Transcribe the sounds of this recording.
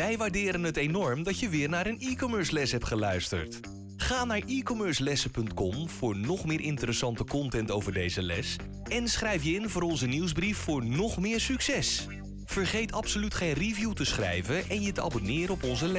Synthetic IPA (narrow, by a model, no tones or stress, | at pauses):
ʋɛjʋaːɹdɪːɾənɦətejnɔɹmdɑtjəʋɪːɹnaːɾənikomøːɹslɛsɦɛp̚tχəlœɥstə̰ɹt | χaːnaːɹikomøːɹslɛsəpɵntkɔmv̥ʊːɹnɔχmɪːɹʔɪntəɾəsɑntəkɔntɛntowvəɹdejzəlɛ̰s | ɛnsχrɛjfjəɪnvʊːɾɔnzəniwzbrifːʊːɹnɔχmɪːɹsyksɛs | v̥əɹχejtʰɑpsolytχejnrivjutəsχrɛ̰jvəʔɛnjətəʔa̰bonɪːɾəɔpɔnzəlɛ